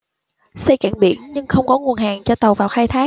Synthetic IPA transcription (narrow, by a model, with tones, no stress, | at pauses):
sə˧jkaː˧˩nɓḭ˧˩ənɲɨ˧ŋxə˧wŋ͡mkɔ˨˦ŋu˨˩ənɦaː˨˩ŋt͡ɕɔ˧t̪ə˨˩wvaː˨˩wxaː˧jt̪ʰaː˨˦